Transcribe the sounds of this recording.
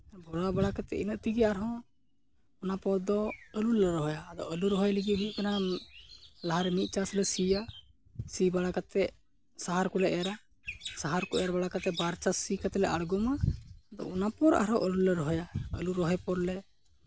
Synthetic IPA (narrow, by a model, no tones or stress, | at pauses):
bɔɽabaɽakat̪ɛ̰ʔinəʔt̪iɡɛaɾɦɔ̃ | napɔɾd̪ɔəlulɛɾɔɦɔjaːd̪ɔ̰ʔəluɾɔɦɔjliɡit̪̚ɦikana | laɦaɾɛmit̪̚ˀt͡ʃaslɛsija | sibaɽakat̪ɛʔ | saɦaɾkɔlɛʔaɾa | saɦaɾkɔʔɛjaɾbaɽakat̪ɛbaɾt͡ʃasikat̪ɛlɛʔaɽɡɔmad̪ɔ̰ɔnapɔɾa̰ɾɦɔ̃ʔəlulɛɾɔɦɔjaə̰luɾɔɦɔjpɔɾlɛ